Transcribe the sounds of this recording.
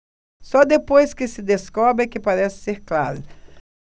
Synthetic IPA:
sɔd̪epojskɪsɪd̪eskɔbɾɪkɪpaɾɛsɪ̥seɾkla̰ɾʊ

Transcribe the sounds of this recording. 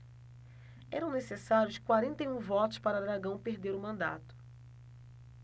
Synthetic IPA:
ɛ̰ɾɐ̃w̃nesesaɾʲjʊskwaɾẽnt̪ejũvɔt̪ʊ̥spaɾɐd̪ɾaɡɐ̃w̃peɾd̪eɾʊmɐ̃nd̪a̰t̪ʊ̥

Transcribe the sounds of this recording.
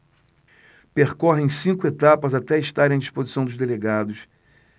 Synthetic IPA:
peχkɔɦẽj̃sĩŋkʊet̪apɐzat̪ɛiʃt̪aɾẽd͡ʒispozisɐ̃w̃d̪ʊzd̪eleɡad̪ʊs

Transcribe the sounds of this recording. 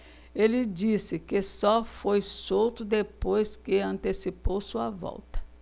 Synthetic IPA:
elɪd͡ʒisɪkɪsɔfojsowt̪ʊd̪epojskɪɐ̃nt̪esipowsuɐvɔ̰wt̪ɐ̥

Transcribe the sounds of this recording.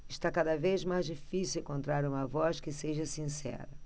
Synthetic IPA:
ɪʃt̪akad̪ɐvezmajzd͡ʒifisiwẽkõnt̪ɾaɾũmɐvɔskɪseʒɐsĩsɛ̰ɾɐ

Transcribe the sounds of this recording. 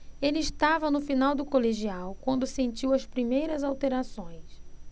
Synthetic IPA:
elɪːʃt̪avɐnʊfinawd̪ʊkoleʒiawkwɐ̃nd̪ʊsẽnt͡ʃiwɐspɾimejɾɐzawt̪eɾasõj̃s

